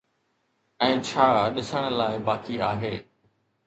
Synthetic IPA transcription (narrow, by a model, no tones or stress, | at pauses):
ɛ̃ːt͡ɕʰaːɗɪsəɽ̃əlaːɪbaːkiaːɦeː